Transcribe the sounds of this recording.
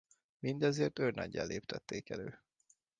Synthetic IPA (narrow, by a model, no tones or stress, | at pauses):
mind̪ɛzeːrt̪ørnʔɒ̰ɟːa̰ːleːpt̪ʰɛt̪ːeːkɛløː